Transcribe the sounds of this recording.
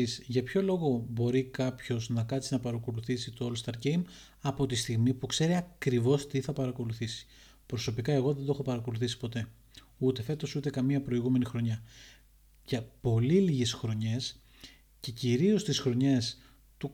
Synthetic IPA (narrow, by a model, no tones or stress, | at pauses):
isʝɐpço̞lo̞ɣo̞bo̞ɾikɐpço̞znɐkɐt̪sinɐpɐɾɐko̞luθisit̪o̞olst̪ɐɾɟejm | ɐpo̞t̪ist̪iɣmipukse̞ɾiɐkɾivo̞st̪iθɐpɐɾɐko̞luθisi̥ | pɾoso̞pikɐe̞ɣo̞ðend̪o̞xo̞pɐɾɐko̞luθisi̥po̞t̪e̞ | ut̪e̞fe̞t̪o̞sut̪e̞kɐmiɐpɾo̞iɣume̞nixɾo̞ɲɐ | ʝɐpo̞liliʝe̞sxɾo̞ɲe̞s | ce̞ciɾio̞st̪isxɾo̞ɲe̞s | t̪u